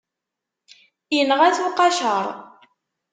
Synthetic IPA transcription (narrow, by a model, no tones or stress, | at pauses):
jənəʁæt͡suqɑʃəɾˤ